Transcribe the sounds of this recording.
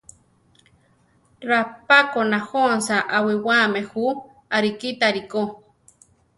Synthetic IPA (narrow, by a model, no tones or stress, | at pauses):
ɾapakonahonsaʔawiwamehu | aɾikit̪aɾiko